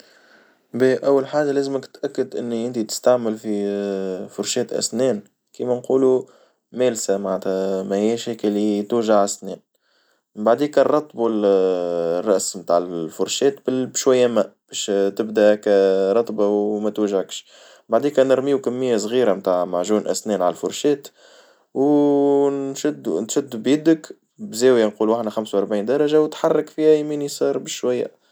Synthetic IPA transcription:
biːʔæwːalħaːʒalæːzməkt̪ʔækːəd̪ʔɪnːiʔɪnt̪it̪ɪ̥st̪aʕməlfi | fʊɾˤʃɛːt̪ʔæ̰snɛːn | kiːmænquːlu | mæːlsæmaʕnæt̪hæmæhijæʃiːkɪlːit̪uːʒaʕasnɛːn | baʕd̪iːkɑrˤɑt̪ˤːbul | rˤːɑʔsmt̪aːʕɪlfʊɾˤʃɛːt̪bɪbʃwæjːæmæb̥ɛʃt̪ɪbd̪ækæɾˤɑt̪ˤbawmæt̪wæʒʕəkʃ | baʕd̪iːkɛnəɾmiːukæmːəjːæs̬ˤɣiːɾamt̪aːʕmaʕʒuːnʔæ̰snɛːnʕallfʊɾˤʃɛːt̪ | w | nʃʊd̪ːunʃʊd̪ːubjɪd̪ək | bzæːwjanquːlwaħnaxamsawʔɑɾˤbʕiːnd̪ɑɾˤɑʒawt̪ħɑrˤːɑkfihæjmiːnisˤɑːɾˤbɪʃʃwæjːæ̰

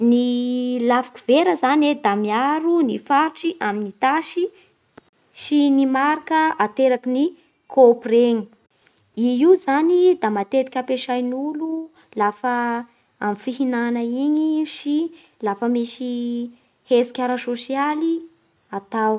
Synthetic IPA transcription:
nilafi̥kiveɾəzaned̪amiaɾunifaʈ͡ʂiʔaminit̪aʃi | ʃinimaɾkəat̪eɾakini | kʰopreɲi | iizanid̪amat̪et̪i̥kʲapeʃajnulu | lafə | amfiɦinanəiɲiʃi | lafəmisi | hezi̥kʲaɾasosiali | at̪aw

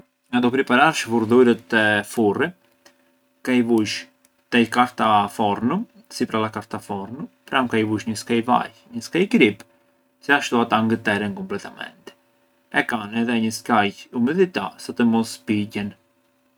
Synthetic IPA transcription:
ŋɡad̪ɔpɾipaɾaɾʃəfuɾðuɾət̪ɛfuri | kaivuʃ | t̪ɛjkaɾt̪afɔɾnum | sipɾalakaɾt̪afɔɾnumpɾamkajvuʃɲəskajva̰j | ɲəskajɡɾip | siaʃt̪uat̪aŋɡət̪ɛɾɛnkɔmplɛt̪amɛ̰nt̪ɛ | ɛkanɛðɛɲəskajumɛðit̪asət̪əmɔspiɟɛn

